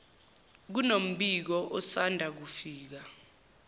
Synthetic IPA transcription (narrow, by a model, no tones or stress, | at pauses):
k̬unom̩ɓik̬ɔʔɔsandʱak̬ufiːk̬a